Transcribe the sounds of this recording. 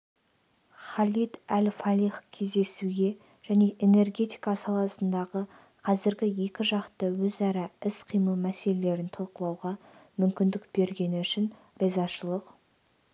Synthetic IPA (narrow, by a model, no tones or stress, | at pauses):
χɑlʲit̪ælfɑlʲiχkʲʰe̞zd̪e̞suɡʲe̞ | ʒ̥æne̞ʔe̞ne̞rɡʲe̞t̪i̥jkɑsɑlˠɑsənd̪ɑʁə | qʰɑzɪɾɡʲɪje̞kʲɪʒɑqt̪əwɵzæɾɑɪsqʰijməlˠmæse̞le̞le̞ɾɪnt̪ʰɑlˠqəlˠɑwʁɑmʏmkʲɪnd̪ɪk̚b̥e̞ɾɡʲe̞nɪʏʃɪn | rezɑʃəlˠəq